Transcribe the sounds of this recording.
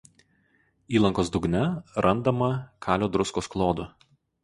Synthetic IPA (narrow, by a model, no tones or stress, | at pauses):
iːlˠɐŋkoːsd̪ʊɡnʲɛɾʔɐnd̪ɐmɐkʰɑːlʲoːd̪ɾʊskoːsklˠoːd̪ʊ